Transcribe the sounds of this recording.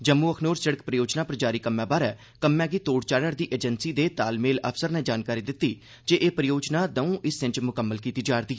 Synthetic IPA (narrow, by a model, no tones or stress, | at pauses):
d͡ʒəmːuːəkʰnoːɾsəɽəkpɾəjoːd͡ʒnaːpəɾd͡ʒaːɾiːkəmːɛ̃ːbaːɾɛː | kəmːɛ̃ːɡiːt̪oːɽt͡ʃaːɽəɾd̪iːʔeːd͡ʒənsiːd̪eːt̪aːlmeːlə̰pʰsəɾnɛ̃ːd͡ʒaːnkaːɾiːd̪ɪt̪ːiː | d͡ʒeːʔeːpɾəjoːd͡ʒnaːd̪əũːʔɪsɪ̃ɲd͡ʒmʊkəmːəlkiːt̪iːd͡ʒaːɾd̪iː